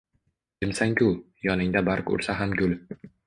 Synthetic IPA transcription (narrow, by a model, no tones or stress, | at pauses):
d͡ʒɪmsaŋkʲʰʊ | jɒnɪŋd̪abaɾkʊ̰ɾsaɦamɡʲʊl